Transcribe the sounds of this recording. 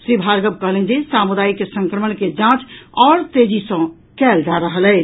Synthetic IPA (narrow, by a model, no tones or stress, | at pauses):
sɾibʱaɾɡəb̚kəɦlẽd͡ʒesamud̪ajkesə̃ŋkɾəməɳked͡ʒãt͡ʃɔːɾt̪ed͡ʒisə̃ | kɛld͡ʒaɾəɦəlɛ